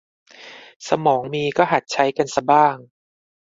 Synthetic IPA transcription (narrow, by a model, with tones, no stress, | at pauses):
sa˧mɔː˩˦ŋmiː˧kɔː˥˩ɦa˨˩t̪̚t͡ɕʰa˦˥jka˧nsa˧baː˥˩ŋ